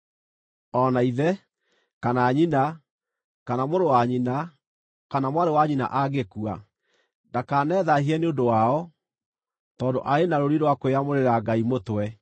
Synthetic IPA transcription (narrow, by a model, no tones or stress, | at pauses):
ɔnaiðɛ | kanaːɲina | kanamoɾowaɲina | kanamwaɾewaɲina̰ʔaɡekua̰ | dakaːnɛðaɦiɛneondowaɔ | tɔːndo̰ʔaenaɾoɾiɾowakoeamoɾeɾaɡaimotwɛ